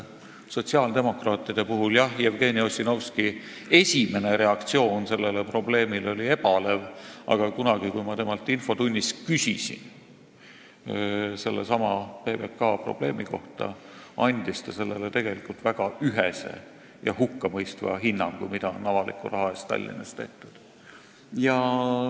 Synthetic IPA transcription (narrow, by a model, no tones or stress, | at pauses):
so̞t̪ʲsiɑːld̪e̞mo̞krɑːt̪ːˑid̪̥e̞puɦuljɑhievɡe̞ːnio̞sʲːinowski | e̞sʲime̞ne̞ɾe̞ɑkt̪sio̞ːnse̞lːe̞le̞pro̞ble̞ːmilo̞lʲie̞b̥ɑle̞vɑ̰ɡ̥ɑkunɑɡ̥ikujmɑt̪e̞mɑlt̪ːˑinfo̞t̪unʲːiskysisḭn | se̞lːḛsɑmɑpeːbekːɑːpro̞̰b̥le̞ːmiko̞ht̪ɑ̰ | ɑnʲd̪̥ist̪ɑse̞lːe̞let̪e̞ɡ̥e̞likult̪væɡ̥ɑyɦese̞̰ | jɑ̰hukːɑmɤjst̪vɑ̰ɦinːɑŋɡ̥ṵmid̪ɑo̰nːɑvɑlḭkːˑṵɾʔɑɦɑest̪ɑ̰lʲːḭnɑst̪e̞ht̪ud̪̥ | jɑ